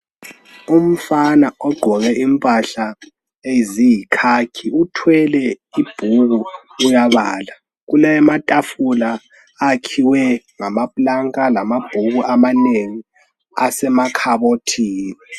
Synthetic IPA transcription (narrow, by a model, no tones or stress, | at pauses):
um̩fanaɔɡ͡ǃʱɔɣɛʔimpʼaɬa | ezijikʰakʰiutʰwɛlɛ | ib̥ʱuɣuː | jaβaːla | ɣulamatʼafulaː | kʰiwɛ | ŋamapʼlaŋkʼalamab̥ʱuɣuʔamaneŋi | a̰sɛmakʰaβotʰiːnɛ